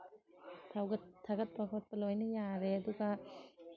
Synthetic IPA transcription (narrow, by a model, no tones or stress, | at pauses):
t̪ʰawɡɐt̪ʰɐɡɐt̪̚pakʰɔt̪̚pɐlojnɯjaɾeɐduɡɐ